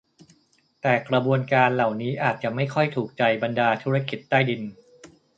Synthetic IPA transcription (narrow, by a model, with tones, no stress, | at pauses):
t̪ɛː˨˩kɾa˧bu˧ənkaː˧nla˨˩wniː˦˥ʔaː˨˩t̪̚t͡ɕa˨˩ʔma˥˩jkʰɔ˥˩jt̪ʰuː˨˩k̚t͡ɕa˧jba˧ndaː˧t̪ʰu˦˥ɾa˥˩ki˨˩t̪ːaː˥˩jdi˧n